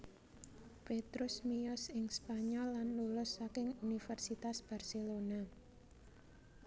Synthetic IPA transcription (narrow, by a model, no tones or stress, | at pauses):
pet̪ɾʊsmijɔsɪŋspaɲɔlːanlulʊsːakɪŋunifɛrsit̪asb̥arselona